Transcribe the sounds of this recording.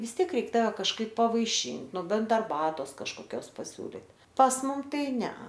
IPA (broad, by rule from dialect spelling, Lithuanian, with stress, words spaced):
ʋʲɪs ˈtʲiɛk ˈrʲɛɪk ˈtɑːʋʲɛ kɐʃˈkɐɪp pɐʋɐɪˈʃʲɪnʲ nʊ ˈbʲɛnt ɐrˈbɑːtoːs kɐʃkoːˈkʲoːs pɐˈsʲuːlʲɪtʲ pɐs ˈmʊm ˈtɐɪ ˈnʲɛ